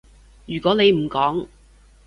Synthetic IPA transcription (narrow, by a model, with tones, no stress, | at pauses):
jyː˨˩kʷɔː˨˥ne˨˧jm̩˨˩kɔː˨˥ŋ